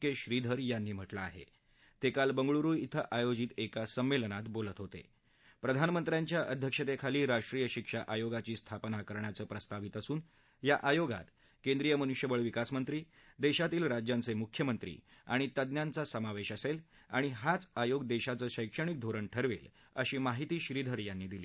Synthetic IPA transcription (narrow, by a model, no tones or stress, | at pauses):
keɕɾid̪ʱəɾjanːiːm̤əʈlaːɦḛ | t̪ekalbəŋɡɭuɾuːjit̪ʰəʔajod͡ʑiːt̪ekasəmːelnat̪bolət̪ɦot̪ḛ | pɾəd̪ʱanmənt̪ɾjãɲt͡ɕjaʔəd̪ʱjəkʂət̪ekʰaliːɾaʂʈɾijəɕikʂaʔajoɡat͡ɕiːst̪ʰapnakəɾɳjat͡səːpɾəst̪aʋit̪əsuːn | jaʔajoɡa̰t̪ | kẽnd̪ɾijəmənuʂjəbəɭʋikasmənt̪ɾiː | d̪eɕat̪iːlɾad͡ʑjãnt͡semukʰjəmənt̪ɾḭːa̰ɽ̃it̪əd̪njant͡sasəmaʋeɕəsela̰ɽ̃iɦat͡sajoɡd̪eɕat͡səːɕəjkʂəɳ̃ik̚d̪ʱoɾəɳʈʰəɾʋḛl | ə̰ɕiːmaɦit̪iːɕɾiːd̪ʱəɾjanːiːd̪iliː